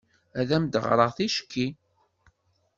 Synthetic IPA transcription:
æðæmd̪əʁɾˤəʁθiʃkːi

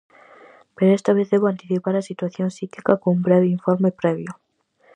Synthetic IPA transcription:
peɾoest̪aβeθðeβoant̪iθipaɾasit̪waθjonsikikakoumbɾeβeiɱfoɾmepɾeβjo

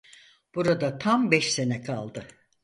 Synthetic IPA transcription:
b̥uɾad̪at̪ʰambɛʃse̞nɛkʰalˠd̪ɯ

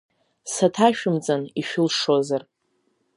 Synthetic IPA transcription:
satʰaʃᶣɪmd͡zʼaniʃᶣʊlʂozar

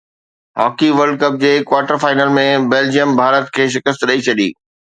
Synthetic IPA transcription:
ɦɔ̰ːkiʋɐɾɖkɐp̚d͡ʑeːkʋaːɾʈəɾfaːɪnəlmẽbeːld͡ʑijəmbʱaːɾət̪kʰeːʃ̬ɪkəst̪ɗɐit͡ɕʰɐɗḭː

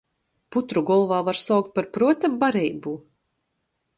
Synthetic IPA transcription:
put̪ɾuɡɔlˠvaːvaɾsawk̚t̪̚paɾpɾuɔt̪ambaɾɛjbuː

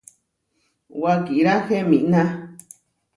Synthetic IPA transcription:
wakiɾaxemḭ̃ʔnã

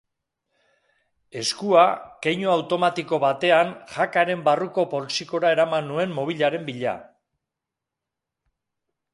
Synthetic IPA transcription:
e̞skuakejɲoawt̪o̞mat̪iko̞βat̪e̞anʝakaɾe̞mbaruko̞po̞lsiko̞ɾae̞ɾamanːue̞mːo̞β̞iʎaɾe̞mbiʎa̰

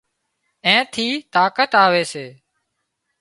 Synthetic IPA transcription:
ẽːt̪ʰiːt̪aːkət̪aːʋeːseː

